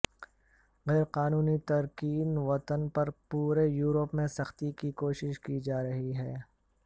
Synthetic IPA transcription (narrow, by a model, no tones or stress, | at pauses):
ɣɛːɾqaːnuːnit̪ɐɾkiːnʋɐt̪ənpɐɾpuːɾejuːɾopmẽsɐxt̪ikikoːʃɪʃkid͡ʒaːɾɐɦiɦɛː